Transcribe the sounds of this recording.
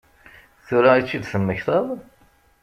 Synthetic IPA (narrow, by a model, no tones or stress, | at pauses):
θʊɾait͡ʃːid̪θəmːəçθˤəðˤ